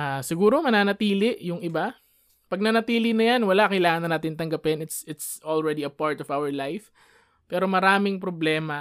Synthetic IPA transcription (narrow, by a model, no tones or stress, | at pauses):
ʔasɪɡuːɾo̞mɐnaːnɐt̪iːlɪʔjʊŋʔɪba | pɐɡ̚nɐnɐt̪iːlɪnɐjanwɐlaʔkɐjlaːŋɐnɐnaːt̪ɪnt̪ɐŋɡɐpɪnɪt̪sɪt̪sʔolɹɛd̪iɐpaɹt̪ɔvawɐɹlajf | pɛːɾo̞mɐɾaːmɪŋpɾoblɛːmɐ